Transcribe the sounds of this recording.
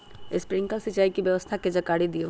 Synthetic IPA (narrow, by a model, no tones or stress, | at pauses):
espɾɪŋkalsit͡ʃaːikibjəʋəst̪ʰaked͡ʒəkaːɽid̪io